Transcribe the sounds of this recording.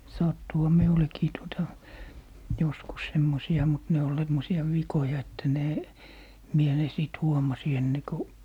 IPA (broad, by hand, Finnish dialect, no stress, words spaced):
sɑtːuhɑ miulekiː tuotɑ joskus semːosiɑ mut ne ol semːosiɑ ʋikojɑ etːæ ne mie ne siˑt huomɑsi enːe ku